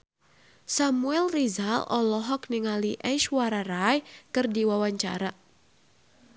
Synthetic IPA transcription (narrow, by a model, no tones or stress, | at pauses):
samuɛlrizalɔlɔɦɔk̚niŋaliʔɛʃwaɾaɾajkɨrdiwawaɲt͡ʃa̰ɾa